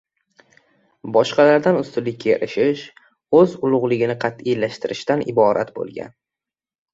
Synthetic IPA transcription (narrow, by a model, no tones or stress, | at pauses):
bɒʃqɑlaɾd̪anʊst̪ʊlɪkʲːʰeɪɾʔɪʃɪʃ | ɵzʊlˠʊʁlˠɪɡʲɪnɪqʰɑt̪ɪjlaʃt̪ɪɾɪʃt̪anɪ̰bɒɾʔa̰t̪bo̰lˠɡʲa̰n